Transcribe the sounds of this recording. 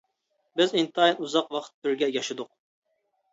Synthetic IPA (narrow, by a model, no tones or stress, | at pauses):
bɪzint̪ːinuzɑqwɑχt̪ʰːyɾɡʲɛjɑʃɨd̪ʊq̚